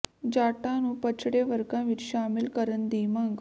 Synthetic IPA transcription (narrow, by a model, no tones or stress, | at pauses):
d͡ʑaʈãnũːpət͡ɕʰɽeʋəɾkãʋiːɾɕamilkəɾənd̪imaŋɡ